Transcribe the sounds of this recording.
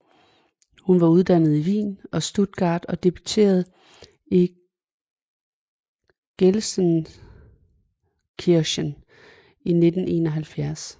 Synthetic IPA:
hunʋɑ̈uð̞ˠd̥ænð̞̩ˠiʋḭːnɒ̽sd̥ud̥̚ɡ̥ɑ̰̈ːd̥ɒ̽d̥e̝b̥yt͡sʰe̝̰ːɐð̞ˠ | i | ɡ̥elsən | kʰiɐɕən | ine̝d̥n̩e̝̰ːnɒɦælfjæɐs

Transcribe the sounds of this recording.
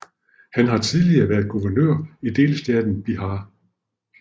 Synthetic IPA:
hænɦɑ̈t͡sʰiðˠliɐːʋæɐðˠɡ̥uʋɐnø̰ɐ̰id̥e̝̰ːlsd̥æd̥n̩b̥iɦɑ

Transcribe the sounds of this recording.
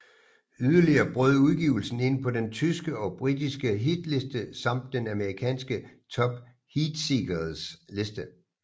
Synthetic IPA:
yðˠɐliɐːb̥ʁɔð̞̰ˠuð̞ˠɡ̥iːʊl̩sn̩e̝n̰pʰɒ̽dent͡sʰysɡ̥əɒ̽b̥ʁidisɡ̥əɦid̥le̝sd̥əsɑ̈m̰d̥ːenæməʁikʰɛ̰ːnsɡ̥ət͡sʰɒ̽b̥ | hid̥siɡ̥ɐð̩ˠsle̝sd̥ə

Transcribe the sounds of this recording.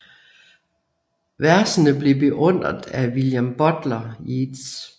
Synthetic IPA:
ʋæɐsənəble̝b̥e̝ʔɔ̽n̰ʁɐðˠæʋiljæmb̥ɒ̽d̥lɐids

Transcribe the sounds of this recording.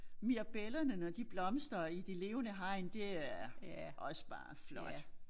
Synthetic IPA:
miɐb̥elɐnənɒd̥ib̥lɒ̽msd̥ɐid̥ele̝ːʊənəɦɑ̈ɪ̰nd̥e̝æɐɐʔɒ̽sə̥b̥ɑ̰̈ːflɒ̽d̥

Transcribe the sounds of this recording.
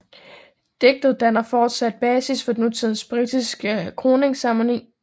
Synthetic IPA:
d̥eɡ̥̚d̥ð̩ˠd̥ænɐfɒːd̥sæd̥̚b̥ɛːsisfɒ̽d̥enut͡sʰið̞ˠn̩sb̥ʁid̥isɡ̥əkʰʁo̝ːne̝ŋsɑ̈mle̝ŋ

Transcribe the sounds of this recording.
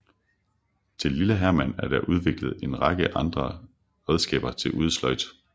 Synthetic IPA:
t͡sʰe̝lːiləɦæɐmæn̰æɐd̥æʔuð̞ˠʋe̝ɡ̥ləð̞̩ˠe̝nʁɑ̈ɡ̥əʔɑ̈nd̥ʁɐ | ʁɛð̞ˠsɡ̥ɛ̰ːb̥ɐt͡sʰe̝lʔuð̞ˠslɒɪd̥

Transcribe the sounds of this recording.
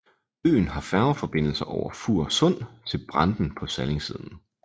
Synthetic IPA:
ø̰ːn̩ɦɑ̈fæɐfɒ̽b̥e̝n̰l̩sɐʔɒʊɐfuɐ̰sɔ̽n̰t͡sʰe̝lb̥ʁɑ̈nd̥n̩pʰɒ̽sæle̝ŋsiːð̞ˠn̩

